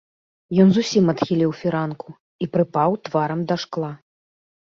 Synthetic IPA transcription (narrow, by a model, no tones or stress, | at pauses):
jɔnzusʲimɐt̪xʲilʲiwfʲiɾanku | ipɾɨpawt̪vaɾɐmd̪ɐʂklˠa